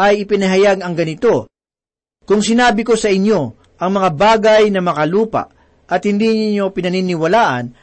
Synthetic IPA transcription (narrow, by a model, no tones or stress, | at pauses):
ɐjɪpɪnɐɦɐjaɡɐŋɡɐnɪt̪o̞ | kʊŋsɪnaːbɪko̞sɐʔɪɲːo̞ | ʔɐŋmɐŋabaːɡɐjnɐmɐkɐluːpɐ̰ʔ | ʔɐt̪hɪnd̪iɲo̞pɪnɐnɪnɪwɐlaːʔɐ̰n